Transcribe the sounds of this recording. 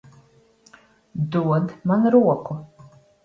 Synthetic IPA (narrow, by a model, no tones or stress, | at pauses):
d̪uɔd̪manɾuɔkʷʊ